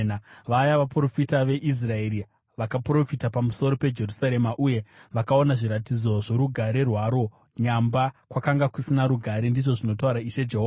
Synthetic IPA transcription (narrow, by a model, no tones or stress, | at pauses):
nʋajaʋapro̞fitaʋe̞ʔis̬rae̞ɾi | ʋakapuro̞fitapamuso̞ɾo̞pe̞d͡ʒe̞rusaɾe̞maʔuje̞ʋakao̞naʐiɾatid͡zo̞ʐo̞ɾuɡʱaɾe̞rwaɾo̞ | ɲambakwakaŋɡakusinaɾuɡʱaɾendiʐo̞ʐino̞t̬auɾaiʃe̞d͡ʒeɦoːa